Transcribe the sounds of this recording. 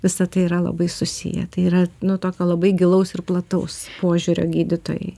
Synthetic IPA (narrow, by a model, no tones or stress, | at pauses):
ʋʲɪsɐt̪ɐɪiɾɐlˠɐ̰bɐɪsʊsʲḭjɛ̰t̪ɐɪiːɾɐnʊt̪oːkʲoːlˠɐbɐɪɡʲɪlˠɐʊsɪrplˠɐt̪ɐʊspoːʒʲuːɾʲo̰ːɡʲiːd̪ʲɪt̪oːjɛ̰ɪ